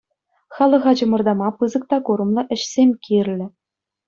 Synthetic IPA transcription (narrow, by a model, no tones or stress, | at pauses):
χɑlˠɤ̆ʁɑd͡ʑɤ̆mɤ̆rd̪ɑmɑpɯzɤ̆k̚t̪ɑkuɾɤ̆mlˠɤ̆ʔɘ̆ɕsʲemʲkʲirʲlʲɘ̆